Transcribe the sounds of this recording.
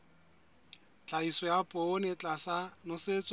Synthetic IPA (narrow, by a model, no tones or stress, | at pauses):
t͡ɬʼaisɔjapʼɔnɪt͡ɬʼasanʊset͡sʼ